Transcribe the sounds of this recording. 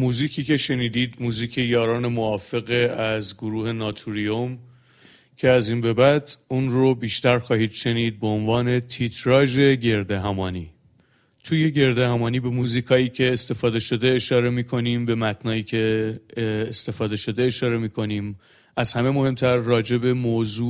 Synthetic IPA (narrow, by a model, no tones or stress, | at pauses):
muːziːcʰiːce̞ʃe̞niːd̪iːd̪muːziːcʰe̞jɒːɾɒːne̞moɒːfe̞ɣeæzɡoɾuːhe̞nɒːt̪ʰuɾiom | cʰe̞æziːnbe̞bæd̪unɾobiːʃt̪æɾxɒːhiːd̪ʃe̞niːd̪̚beonvɒːne̞t̪ʰit̪ʰɾɒːʒe̞ɟe̞ɾd̪eɦæmɒːnḭː | t̪ʰuːje̞ɟe̞ɾd̪ehæmɒːniːbe̞muːziːkʰɒːiːcʰe̞ːst̪e̞fɒːd̪e̞ʃo̞d̪eːʃɒːɾe̞miːkʰo̞niːmbe̞mæt̪ʰnɒːiːcʰe̞ː | st̪e̞fɒːd̪e̞ʃo̞d̪e̞ːʃɒːɾe̞miːkʰo̞niːm | ʔæzhæme̞mo̞he̞mt̪ʰæɾːɒːd͡ʒe̞be̞moːzuː